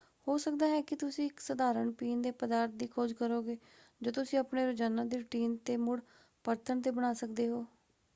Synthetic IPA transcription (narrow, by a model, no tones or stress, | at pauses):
hoːsək̚d̪aːɦɛːkɪt̪ʊsĩːɪksəd̪aːɾəɳpiːnd̪eːpəd̪aːɾt̪̚d̪iːkʰoːd͡ʒkəɾoːɡeː | d͡ʒoːt̪ʊsĩːəpɳeːɾʊd͡ʒaːnãːd̪iːɾʊʈiːnt̪eːmʊɽ | pəɾt̪ʰəɳt̪eːbəɽ̃aːsəkd̪eːɦoː